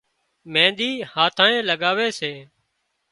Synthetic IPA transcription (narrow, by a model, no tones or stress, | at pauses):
mẽːnd̪iːhaːt̪ʰãːẽːləɠaːʋeːseː